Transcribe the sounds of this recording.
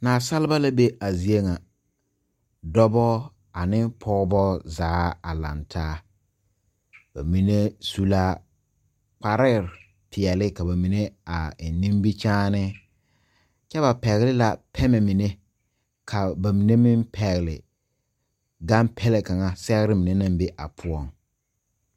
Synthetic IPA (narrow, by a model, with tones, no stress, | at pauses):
naː˨sa˦lɪ˦ba˦la˦be˦a˨zi˨e˦ŋa˨ | dɔ˦bɔ˦ | a˨nɪ˦pʰɔ˦bɔ˦zaː˨˦a˨la̰˨ntʰaː˦ | b̥a̰˨mi˨ne˦su˨la˦ | k͡pa˨ɾɪ˦˨ɾ | pʰɪ˨ɛ˨lɪ˦ka˨ba˨mi˨ne˦a˨nĩ˦m˦bi˦t͡ʃaː˦nɪ˦ | t͡ʃɛ˦βa˨pɛ˨ɣɪ˨lɪ˦la˨pʰɛ˦mɛ˨mi˨ne˦ | kʰa˨ba˨mi˨ne˦mi˦mpʰɛ˨ɣɪ˨lɪ̰˨ | ɡa˦mpʰɛ˦le˨ka˨ŋa˦sɛ˦ɣɾɪ˦mi˨ne˦na˦m˦be˦ʔa̰˨pʰʊ˦ɔ˦˨ŋ